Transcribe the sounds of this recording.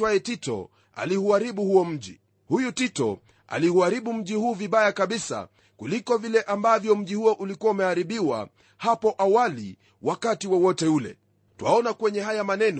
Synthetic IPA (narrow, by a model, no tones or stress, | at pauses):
waɛtitɔ̰ | a̰lihuaɾiɓuhuɔm̩ʄi | hujutitɔ̰ | a̰lihuaɾiɓum̩ʄihuːviɓajakaɓisa̰ | kulikɔvilɛʔambavjɔm̩ʄihuɔʔulikuwaumɛhaɾiɓiwa̰ | hapɔʔawali | wakatiwɔwɔtɛulɛ̰ | tuwaɔnakwɛɲɛɦajamanɛn